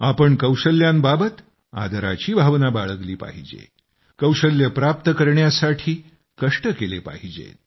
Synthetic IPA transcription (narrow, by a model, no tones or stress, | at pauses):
apəɳkəwɕəljambabət̪ | a̰d̪ʱəɾa̰t͡ɕiːbʱaʋnabaɭəɡliːpa̰ɦid͡ʑḛ | kəwɕəljəpɾap̚t̪əkəɾɳjasaʈʰiː | kəʂʈəkelepa̰ɦid͡ʑḛ